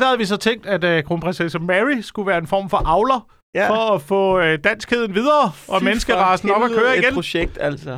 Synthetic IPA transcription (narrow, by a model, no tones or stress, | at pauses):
d̥æhæð̩ˠʋisɒ̽t͡sʰeŋ̰d̥æd̥kʰʁo̝ːnpʰʁensesɔmæʁisɡ̥uʋæːɐe̝nfɒ̰ːmfɒ̽ʔɑ̈ʊlɐ | fɒ̽ːfɔ̰̽ːd̥æn̰sɡ̥ʰe̝ðˠn̩ʋið̞ˠɐːʔɒ̽menəsɡ̥əʁɑ̈ːsn̩ɒ̽b̥ækʰøːɐiɡenoeɡ̥̚d̥æl̰s